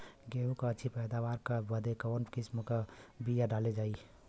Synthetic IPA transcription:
ɡeːɦũkaətːʃʰipɛːd̪aːʋaːɾkabəd̪ekaɔnkɪsmkabijaɖaːled͡ʒaːi

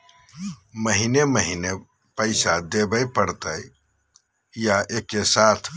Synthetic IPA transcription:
məɦineməɦine | pəɪsad̪ebəjpəɾt̪əj | jaʔekesat̪ʰ

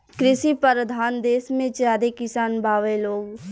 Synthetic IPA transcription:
kɾɪʃipəɾəd̪ʱaːnd̪eːsmẽt͡ʃjaːd̪ekɪsaːnbʱaːʋeloːɡ

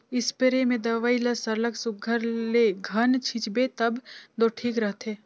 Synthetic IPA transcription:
ɪspeɾemẽd̪ɐʋaːilɐsɐɾləksʊɡʱəɾleɡʱɐnt͡ʃʰɪt͡ʃbet̪ɐbd̪oːʈʰiːkɾəɦt̪ʰeː

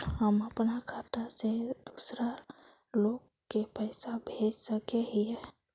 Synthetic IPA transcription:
ɦəməpnakʰat̪ased̪usɾa | lok | kːepəɪsabʱed͡ʒsəkeɦie

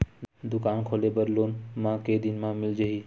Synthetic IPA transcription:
d̪ʊkaːnkʰoːlebəɾloːnmãked̪ɪnmãmɪld͡ʒəɦi

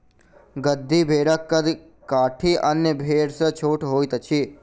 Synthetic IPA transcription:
ɡəd̪ʱːibʱeːɾəkːəd̪ | kaːʈʰiʔənjəbʱeːɾsət͡ʃʰoːʈʰɦoːjt̪ət͡ʃʰi

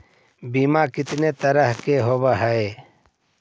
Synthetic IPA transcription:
bimaːkɪt̪neːt̪əɾəɦkeːɦoːbaɦəe

